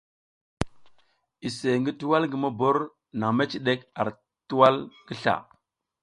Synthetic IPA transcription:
i˨se˨ŋɡi˦tu˦wa˦lɡə˨ma˦bo˦ɾ | na˨ma˦t͡ʃi˨ɗe˦ka˨ɾ | tu˦wa˦lɡə˦ɬa̰˨

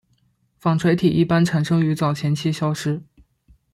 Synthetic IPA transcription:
fɑ˨˩ŋʈ͡ʂʰwe˧˥ɪt̪ʰi˨˩ʔi˥˩pa˥nʈ͡ʂʰa˨˩nʂɤ˥ŋy˧˥t͡sɑ˨˩ʊt͡ɕʰjɛ˧˥nt͡ɕʰi˥ɕjɑ˥ʊʂɻ̩˥

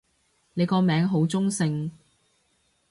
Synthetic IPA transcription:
ne˨˧jkɔː˧mɛː˨˧ŋɦo˨˥wt͡sʊ˥ŋsɪ˧ŋ

